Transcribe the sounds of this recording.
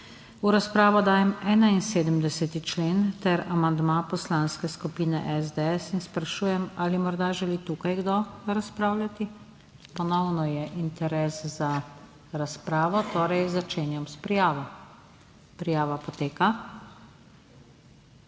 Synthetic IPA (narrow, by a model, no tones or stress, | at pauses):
uɾaspɾaːʋɔd̪aːjɛmɛːnainseːd̪əmd̪ɛsɛt̪it͡ʃleːnt̪ɛɾamand̪mapɔslaːnskɛskupiːnɛ̰ʔɛzd̪ɛɛsinspɾaʃuːjɛmalimɔɾd̪aʒɛliːt̪uːkajɡd̪ɔɾaspɾaːwlʲat̪i | pɔnɔwnɔjɛʔint̪ɛɾɛːsza | ɾaspɾaːʋɔt̪oːɾɛjzat͡ʃeːnjɔmspɾijaːʋɔ | pɾijaːʋapɔt̪eːka